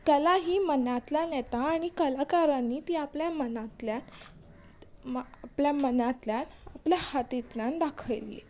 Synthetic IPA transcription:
t̪alaɦiːmənat̪ljanɛt̪aːɽ̃ikəlakaɾanːiːt̪iːapljamənat̪la | pljamənat̪ljan | apljahat̪it̪ljãnd̪akʰəjlḭ

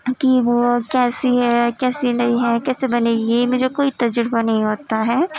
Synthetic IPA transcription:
kiʋoːkɛːsiɦɛkɛːsenɐɦĩɦɛkɛːsebɐneːɡiemʊd͡ʒʱekoːit̪ɐd͡ʒʊɾbanɐɦĩɦoːt̪aɦɛː

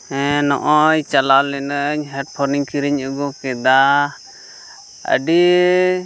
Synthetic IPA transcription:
ɛnɔ̰ʔɔjt͡ʃalalɛnəɲɦɛʈ̚pʰɔɾniŋkiɾiɲuɡɔkɛd̪a | ə̰ɖi

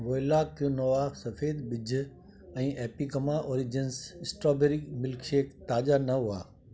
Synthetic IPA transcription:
ʋoːlaːkijonoʋasɐfeːd̪ɓɪd͡ʑʱ | ɛ̃ːʔeːpiːkɐmaʔoːɾid͡ʑɪnsɪsʈɾoːbeːɾɪkmɪlkʰeːkt̪aːʄanɐɦʊa̰ː

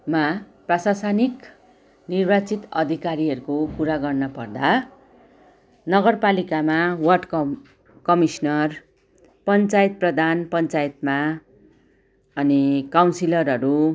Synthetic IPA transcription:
maprʌsasanik | nirbat͡sit̪ʌd̪ʱikaɾiʌɾukokuɾaɡʌrnʌpʌrd̪a | nʌɡʌrpalikamawʌrɖk | kʌmisnʌr | pʌnt͡sajet̪̚prʌd̪ʱanpʌnt͡sajet̪ma | ʌnikawnsilʌrʌɾu

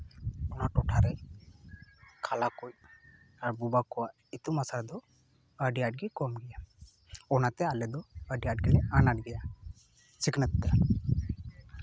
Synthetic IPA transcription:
ɔnaʈɔʈʰaɾɛ | kʰalakuj | aɾbubakɔwaʔ | it̪umasaɾɛd̪ɔ | əɖijaɖ̚ɡɛkɔmɡɛja | ɔnat̪ɛalɛd̪ɔəɖiaɖɡɛlɛanaʈ̚ɡɛja | t͡ʃiknət̪d̪a

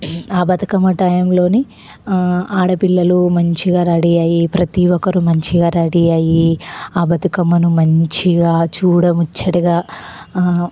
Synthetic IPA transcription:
aːbɐt̪ɐkɐmːɐʈɐjɐmlo̞ːni | aːɽɐpilːɐlumɐɲt͡ʃiɡaːɾɐɽijaːjipɾɐt̪iːʋɔkɐɾumɐɲt͡ʃiɡaːɾɐɽijaːjiaːbɐt̪ɐkɐmːɐnumɐɲt͡ʃiɡaːt͡ʃuːɽɐmut͡ʃːɐɽɐɡaː

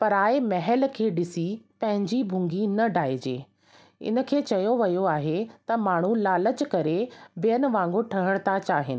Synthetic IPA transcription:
pɐɾaːemɐɦəl̆kʰeːɗɪsipɐ̃ɦɪ̃ɲd͡ʑibʱũːŋɡinɐɖʱaːed͡ʑḛː | ɪ̰nə̆kʰeːt͡ɕɐjoʋɐjoaːɦet̪ɐmaːɳ̤ulaːlət͡ɕkɐɾebijənɪ̆ʋãːŋɡoʈʰɐɦəɽ̃t̪ʰat͡ɕaːɦɪnɪ̆

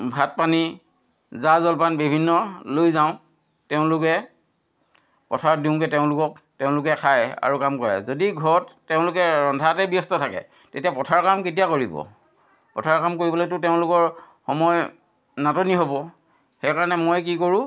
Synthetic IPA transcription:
bʱat̚pani | zazɔlpanbibʱinːɔlojzaʊ̃ | teʊ̃lʊkɛ | pɔtʰaɹdiʊ̃kɛteʊ̃lʊkɔk | teʊ̃lʊkɛkʰaja̰ɹukamkɔɹa̰zodiɡʱɔɹɔtː | eʊ̃lʊkɛɹɔndʱatɛbijɔstɔtʰakɛ̰ | tetijapɔtʰaɹkamket̬ijakoɹibɔ̰ | pɔtʰaɹkamkoɹibɔlojtʊteʊ̃lʊkɔɹ | xɔmɔj | natɔniɦobɔ | xɛjkaɹanɛmojk̬ikoɹũ

